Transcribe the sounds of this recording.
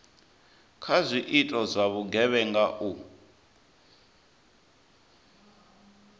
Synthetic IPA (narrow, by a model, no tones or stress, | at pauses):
kʰazʷiʔitʼɔzʷaβuɡɛβɛŋɡaʔu